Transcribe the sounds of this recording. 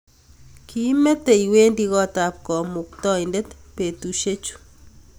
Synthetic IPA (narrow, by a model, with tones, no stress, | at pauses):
ki˦me˦te˨iwe˦ndi˦ɣɔ˦ta˨p̚kɔ˨mʊ˨k̚tɔ˦ɪnde˦tpe˨tu˨ʃe˦t͡ʃu̥˨